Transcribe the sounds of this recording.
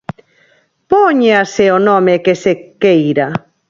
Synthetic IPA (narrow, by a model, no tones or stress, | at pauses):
poɲeaseonõmekesekejɾa